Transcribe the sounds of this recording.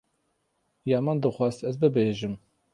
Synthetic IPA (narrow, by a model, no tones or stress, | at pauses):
jɑːmand̪ɨxʷɑːz̥t̪ɛzbɨbeːʒɨm